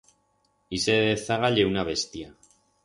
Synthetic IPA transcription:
iseðeθaɣaʎewnaβest̪ia

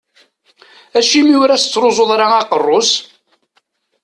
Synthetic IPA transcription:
æʃimiʊɾæst͡sːɾozˤoðˤɾɑɑqərˤːos

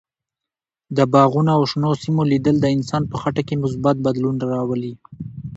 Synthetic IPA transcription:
d̪əbɑɣunaawʃnosimolid̪əld̪əɪnsɑnpəxaʈakemʊs̬bat̪̚bad̪lunɾɑwəli

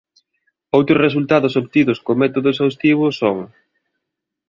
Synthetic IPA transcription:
owt̪ɾʊres̬ult̪aðʊsopt̪iðʊskomɛt̪oðʊesawst̪iβ̞ʊsoŋ

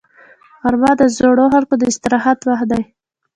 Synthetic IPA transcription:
ɣaɾmɑd̪əzoɽoxalkod̪əɪst̪ɪɾɑɦat̪waxd̪aj

